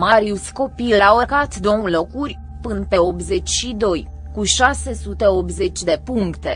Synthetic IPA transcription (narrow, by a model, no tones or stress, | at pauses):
maɾiusko̞pilawəkat̪d̪oulo̞kurʲ | pɨnpe̞opze̞t͡ʃʲʃid̪o̞j | kuʃase̞sut̪e̞opze̞t͡ʃʲd̪e̞puŋkt̪e̞